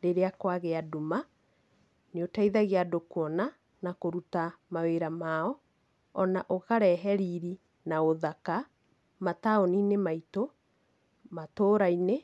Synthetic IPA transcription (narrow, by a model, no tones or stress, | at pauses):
ɾeɾeakwaɣeaduma | neotaiðaɣeadokwɔna | nakoɾutamaweɾamaɔ | ɔnaʔokaɾɛɦɛɾiɾi | naoðaka | mataoninemaito | matoːɾaine